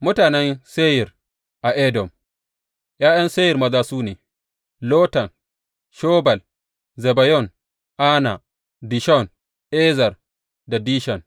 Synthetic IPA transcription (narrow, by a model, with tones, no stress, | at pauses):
mʊ˦taː˨nɛ˦nse˦jɪ˨r | ʔa˨ʔɛ˦dɔ˨m | jaː˦jɐ˦nse˦jɪ˨rmɐ˦zaː˦suː˦neː˨ | loː˦tɐ˨n | ʃɔː˦bɐ˨l | zɛ˨ba˨jɔ˦˨n | ʔa˦na̰˨ | di˨ʃɔ˦˨n | ʔɛː˦zɐ˨r | da˨diː˦ʃɔ˨n